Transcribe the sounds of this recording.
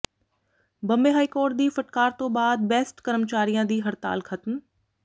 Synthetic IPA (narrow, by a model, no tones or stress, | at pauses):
bɐ̃mbeːɦaːikoːɾʈ̚d̪iːfɐʈ̚kaːɾt̪õːbaːd̪̚bɛːsʈkəɾəmt͡ʃaːɾijãːd̪iːɦɐɾt̪a̰ːlkʰɐt̪m